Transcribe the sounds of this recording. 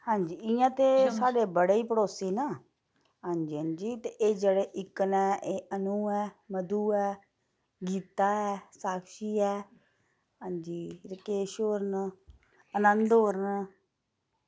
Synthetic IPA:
hãːɲd͡ʒiːɪjãːt̪eːsaːɖeːbəɽeːiːpəɽoːsiːnaː | ɦãːɲd͡ʒiːɦãːnd͡ʒiːt̪eːʔeːd͡ʒeːɽeːʔɪkːənɛːʔeːʔənuːɛːməd̪uːɛː | ɡiːt̪aːɛːsaːkʃiːɛː | ɦãːɲd͡ʒiːɾəkeːʃoːɾən | ənənd̪ɦoːɾən

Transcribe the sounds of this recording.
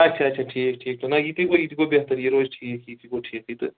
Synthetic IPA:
ɐtːt͡ʃʰaɐt͡ʃʰaʈʰiːk̚ʈʰiːk̚t̪ʰonɐit̪ikoit̪ikobeɦt̪ɐɾjiɾoːzʈʰiːkit̪ikoʈʰiːkit̪ɨ

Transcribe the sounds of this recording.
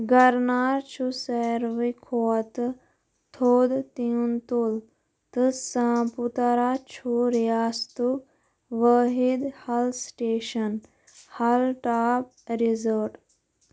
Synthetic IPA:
ɡɐɾnaːɾt͡ʃʰusɛɾʋikʰot̪ | t̪ʰoːd̪t̪iunt̪ul | t̪ɨsãːput̪aɾat͡ʃʰuɾjaːst̪u | ʋəɦid̪hɐlsʈeːʃɐn | hɐlʈaːp̚ | ɾizəɖ

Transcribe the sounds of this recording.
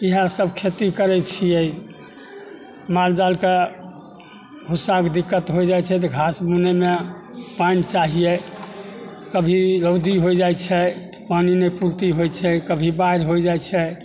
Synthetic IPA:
iɦãsəbʱkʰet̪ikəɾɛt͡ʃʰijɛ | mald͡ʒalke | ɦusakd̪ikːət̪ɦod͡ʒajt͡ʃʰɛt̪̬ɔɡʱasmuneme | pant͡ʃaɦijɛ | kəbʱiɾəʊd̪iɦojd͡ʒajt͡ʃʰɛt̪ɔ̥paninɛpuɾt̪iɦojt͡ʃʰɛkəbʱibaɾɦojd͡ʒat͡ʃʰɛ

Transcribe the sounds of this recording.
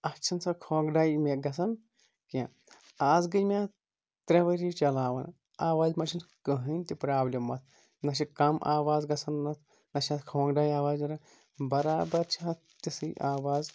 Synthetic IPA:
ɐt͡ʃʰɐnsɐkʰoːɡɖaːjmeɡɐs̬ɐn | kẽ | aːzɡɐjmʲa | t̪ɾʲɐʋɐɾit͡ʃɐlaːʋɐ̰n | aːʋaːzmɐʃʰinkəɦɨnʲt̪ʲipɾaːblʲɐmːɐt̪̚ʰ | nɐʃ̬ikɐmʔa̰ːʋaːzɡɐsɐnːɐt̪ʰ | nɐʃɐt̪kʰoːŋɡɖaːjaːʋaːzɐɾɐ | bɐɾaːbɐɾt͡ʃʰiɐt | t̪isɨʔaːʋaːz

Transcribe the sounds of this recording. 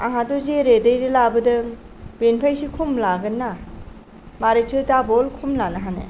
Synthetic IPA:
aɦatɔzeɾedejdɯlabɯdɯŋ | benpʰajsikʰumlaɡɯnːa | maɾetʰɯtabɔlkʰumlanaɦanḛ

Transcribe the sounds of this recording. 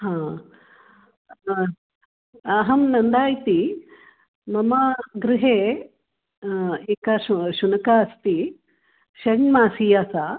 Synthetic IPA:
ɦãː | ɐɦɐmnɐnd̪aːjt̪i | mɐmɐɡɾɪɦeː | eːkaʃʃunɐkaɐst̪i | ʃɐɳmaːsiːjaːsaː

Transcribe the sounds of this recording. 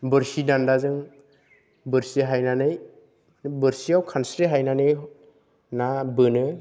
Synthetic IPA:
bɯɾsidandazɯŋ | bɯɾsiɦajnanɯj | bɯɾsiawkʰansɾiɦajnanɯj | nabɯnɯ

